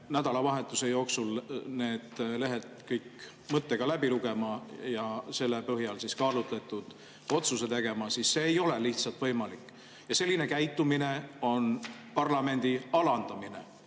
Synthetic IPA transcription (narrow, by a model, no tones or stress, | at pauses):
næd̪ɑlɑvɑɦe̞t̪ːˑuse̞jo̞ːksulne̞ːd̪̥le̞ɦet̪kɤjk | mɤt̪ːeɡ̥ɑlæbiluɡe̞mɑjɑse̞lːepɤɦjɑlsiskɑːlut̪let̪ːˑud̪̥ | o̞t̪suse̞t̪e̞ɡ̥e̞mɑsisːe̞ːjo̞le̞liht̪sɑlt̪vɤjmɑlikːˑ | jɑse̞lʲːine̞kæjt̪ːˑumine̞o̞npɑrlɑme̞nʲd̪̥iɑlɑnd̪̥ɑmine̞̰